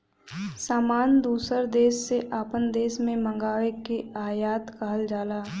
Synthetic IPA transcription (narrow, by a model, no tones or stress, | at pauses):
saːmaːnd̪uːsəɾd̪eːʃːeʔaːpənd̪eːʃmẽmə̃ŋɡaːʋekeaːjaːt̪kəɦəld͡ʒaːlaː